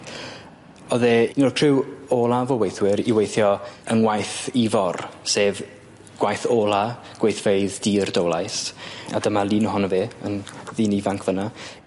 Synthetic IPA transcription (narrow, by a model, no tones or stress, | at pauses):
ɔðɛnɔltʰr̥ɪwolˠavowejθwɪɾiwejθjɔəŋwajθivɔrseːv | ɡ̥wajθoːlˠa | ɡ̥wejθvejðdiːrdowlˠajsa̰dəmalˠiːnəɦʊnəveːə̰nðiːnivaŋkʰvəna